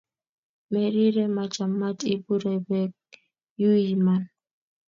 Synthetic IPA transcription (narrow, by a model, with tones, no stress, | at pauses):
mɛ˨ɾi˦ɾɛ˦ma˨t͡ʃa˨mːa˦ti˦bu˦ɾɛ˨bɛ˦k̚ | ju˦ji˨ma˨n